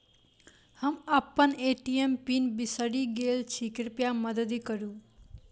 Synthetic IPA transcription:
həməpːəneʈijempinbisəɽiɡelt͡ʃʰikiɾpjamʌd̪əd̪ikʌɾũ

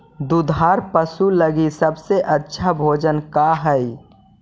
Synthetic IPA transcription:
d̪ud̪ʱaːɾpəsuləɡisəbseʔətːʃʰabʱoːd͡ʒənkaɦəi

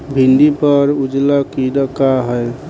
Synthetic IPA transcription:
bʱind̪ipəɾud͡ʒlakiɾəkaɦəj

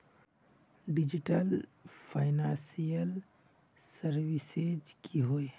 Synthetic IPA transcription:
ɖɪd͡ʒiʈəlpʰaːɪnãːsijəl | səɾʋised͡ʒkʰiɦoe

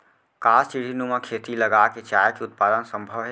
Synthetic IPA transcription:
kaːst͡ʃiɽ̤inumãkʰeːt̪iləɡaket͡ʃaːjəkeʊt̪̚paːd̪ənsə̃mbʱəʋɦɛ

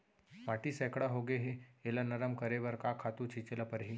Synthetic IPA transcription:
ʋaːʈisɛːkɽaɦoɡeɦeelanɐɾəmkɐɾeʋɐɾkakʰaːt̪ũt͡ʃʰit͡ʃelapəɾɦi

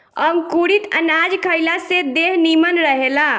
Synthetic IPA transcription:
əmkuɽit̪ə̰nad͡ʒkʰəjlased̪eɦnimənɾəɦela

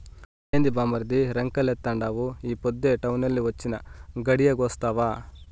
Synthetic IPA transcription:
eːnd̪ibaːmɐɾd̪iɾɐŋkɐlet̪ːɐɳɖaːʋuiːpɔd̪ːeʈɐwnɐlːiɦot͡ʃːinɐɡɐɽijɐɡoːst̪aːʋaː

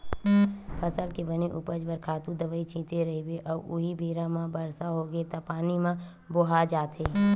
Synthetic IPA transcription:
pʰəsəlkebəneʔupəd͡ʒbəɾkʰaːt̪ũd̪əʋəːit͡ʃĩːt̪eɾɐɦibeʔɔːɾʊ̰ɦibeːɾãmãbəɾsaɦoɡet̪apaːnimã | boɦad͡ʒaːt̪ʰeː

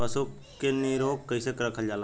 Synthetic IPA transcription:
pəsu | keniɾoːɡkəɪsekɾəkʰəld͡ʒaːl

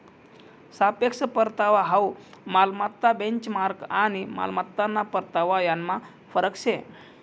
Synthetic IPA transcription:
sapekʂəpəɾt̪aʋaɦaumalmat̪ːabeɲt͡ɕmaɾkanima̰lmat̪ːanːapəɾt̪aʋajanːa | fəɾəkɕe

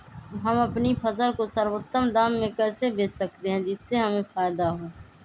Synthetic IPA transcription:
ɦɐmɐpnipʰɐzəlkosəɾwət̪ːəmd̪aːmːẽkɛːsebeːsək̚t̪eɦɛ̃d͡ʒɪsːeɦɐmẽfaːjd̪aɦoː

